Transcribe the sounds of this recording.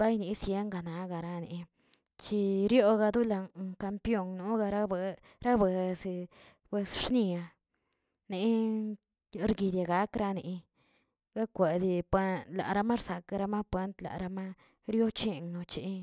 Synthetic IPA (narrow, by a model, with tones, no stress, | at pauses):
ba˦jni˧sje˦ŋɡa˨na˨ɡa˨ɾa˧nḭ˨ | t͡ʃi˧ɾjo˦ɡa˧d̪u˦la˧ka˧mpjo˦˧ŋnu˦ɡa˧ɾa˦˧ | ɾa˦be˨s | b̥we˧sʂni˧a˧ | ni˨˧ | ɾɡi˧d̪ja˧ɡa˧˦kɾa˧nḭ˧ | ɡa˦kʷe˨d̪i˧pe˦la̰˨ɾa˧ma˦ɾsa˨ka˧ɾa˧ma˦pwe˦nt̪la̰˨ɾa˧ma˦ | ɾjo˦t͡ʃi˦˧˨ŋno˧t͡ʃḭ˧˦